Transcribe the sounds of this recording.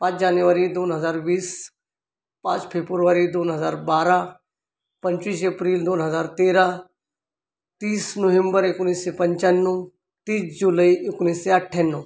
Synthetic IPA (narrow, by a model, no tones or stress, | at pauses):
pãːt͡ʃd͡ʒaːnjuʋəɾid̪oːnɦəzaːɾʋiːs | pãːt͡ʃpʰeːbʊɾʋaɾid̪oːnɦəzaːɾbaːɾa | pɐɲt͡ʃiːseːpɾiːld̪oːnɦəzaːɾt̪eːɾa | t̪iːsnoʋẽmbəɾɪkʊniːsːepə̃ɲt͡ʃənːu | t̪iːsd͡ʒuləiɪkʊniːsːeɐʈʰːenːo